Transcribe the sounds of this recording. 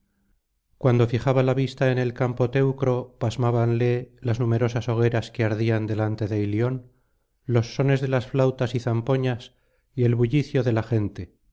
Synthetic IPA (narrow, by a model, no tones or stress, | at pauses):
kwand̪o̞fiχaβalaβist̪ae̞ne̞lkampo̞t̪e̞wkɾo̞pazmaβanle̞laznume̞ɾo̞saso̞ɣ̞eɾaskeaɾðiand̪e̞lant̪e̞ðe̞iljo̞n | lo̞sːo̞ne̞zðe̞lasflawt̪asiθampo̞ɲas | ie̞lβuʎiθjo̞ðe̞laχe̞nt̪e̞